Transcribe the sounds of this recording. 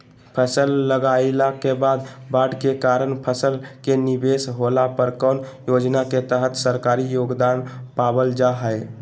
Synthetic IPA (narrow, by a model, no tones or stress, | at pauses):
pʰəsəlːəɡalakebad̪baɖkekaɾənpʰəsəlkenibesɦolapəɾkənjod͡ʒnaket̪əɦət̪səɾkaɾijoɡd̪anpabəld͡ʒaɦəj